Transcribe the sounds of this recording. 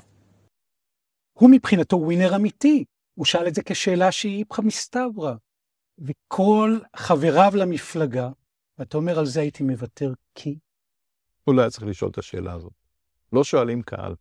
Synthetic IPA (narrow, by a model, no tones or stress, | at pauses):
humipχinato̞wineʁamiti | uʃaaledzeke̞ʃe̞ːlaʃeiipχamistabʁa | vekʰo̞lχave̞ʁavlamiflaɡa | veatao̞me̞ʁalze̞ajitime̞vatʰe̞ʁkʰi | ulajtt͡sʁiχliʃʔolet̪aʃe̞̰ːlʔa̰ːzo̞t̪̚ | lo̞ʃoalimkʰa̰ʔa̰l